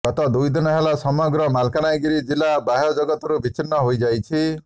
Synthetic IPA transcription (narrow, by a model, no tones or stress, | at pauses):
ɡ̥ɔt̪ɔd̪ujd̪inɔɦelasɔmɔɡɾɔmalkanajɡiɾid͡ʒilabaɦjɔd͡ʒɔɡɔt̪ɔɾubit͡ʃinːɔɦojd͡ʒajt͡ʃʰi